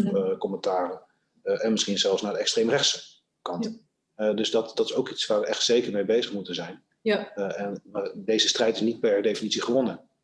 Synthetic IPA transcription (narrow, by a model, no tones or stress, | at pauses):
kɔmɛntaːrə | ʔɛnmɪsχinzɛlˠfsnaːdəɛkstrejmrɛχsə | kɑnt | dɵzdɑtd̥ɑtɪ̥sowkitsʋaːɹʋəʔɛχtsejkəɹmejbejzəχmutənzɛjn | ɛnːdejzəstrɛjtɪsnit̚pɛɹdejfinitsiχəʋɔnə